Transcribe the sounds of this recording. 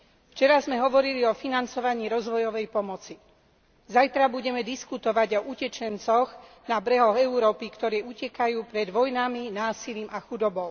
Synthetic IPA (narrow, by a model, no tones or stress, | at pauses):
ft͡ʃɛɾazmɛɦɔʋɔɾiliɔfinant͡sɔʋaɲiːɾɔzʋɔjɔʋɛjpɔmɔt͡si | zajt̪ɾabuɟɛmɛd̪iskut̪ɔʋaɟɔʔucɛt͡ʃɛnt͡sɔɣ | nabɾɛɦɔɣɛuɾɔːpikt̪ɔɾɛːucɛkajuːpɾɛd̪ʋɔjnaminaːsiliːmaxud̪ɔbɔʊ